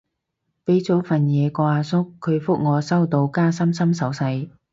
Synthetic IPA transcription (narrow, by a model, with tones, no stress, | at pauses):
pe˨˥jt͡so˨˥wfɐ˨njɛː˨˧kɔː˧aː˧sʊ˥kʰːɵ˨˧ɥfʊ˥k̚ŋɔː˨˧sɐ˥wt̪o˧wkaː˥sɐ˥msɐ˥msɐ˨˧˥wsɐ˧j